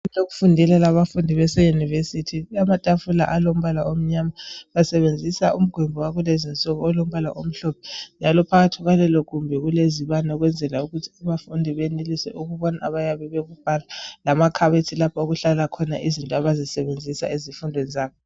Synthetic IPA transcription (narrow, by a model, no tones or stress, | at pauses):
toɣufundʱilɛlaβafundʱiβɛsɛjunivesitʰiamatʼafula̰ʔalom̩βalaom̩ɲaːmaβasɛβend͡zʱisaum̩ɡ̥ʱwɛmbʱɔwaɣulezinsʼɔɣɔɔlom̩βala̰ʔom̩ɬɔpʰɛ̥nd͡ʒʱalɔpʰaɣatʰiɣalɛlɔɣumbʱɛɣuleziβanaɔɣwɛnd͡zʱɛlauɣutʰi̥aβafundʱiβenilisɛ̰ʔuɣuβɔnaaβajaβɛβeɣub̥ʱalalamakʰaβetʰilapʰaoɣuɬalakʰɔna̰ʔizintʼɔaβazisɛβend͡zʱisa̰izifundʱwenizaːβɔ